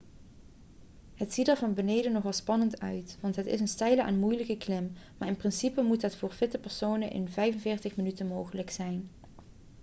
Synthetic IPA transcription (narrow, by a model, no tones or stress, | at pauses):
ɦətsitdəːɹvɑnbənejdənɔχʋɑlˠspɑnəntœ̰ɥtʋɑntɦətɪ̰sənstɛjləʔa̰nmujləkəklɪmmaːɪnprɪnsipəmutdɑtfʊːɹv̥ɪtəpɛɹsownənʔɪ̰nvɛjvənvɪːɹtəχmənytənmowχələksɛjn